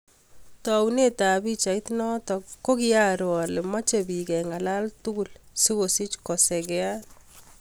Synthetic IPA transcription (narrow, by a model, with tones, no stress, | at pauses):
tɔ˨wune˦ta˨bi˦t͡ʃa˨ɪ˦tnɔ˦tɔ˨ko˦kɪ˦a˦ɾoɔ˨lɪ˨mɔ˦t͡ʃe˨bi˨kɛ˨ŋa˨la˦ltu˦ɡu˨lsi˦wo˨si˦t͡ʃkɔ˨sɛ˨ɡɛ˦a˦t